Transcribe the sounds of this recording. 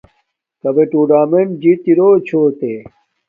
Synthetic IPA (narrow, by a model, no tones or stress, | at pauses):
kɐbeʈuːɖaːmend͡ʑit̪iɾot͡ɕʰoːt̪e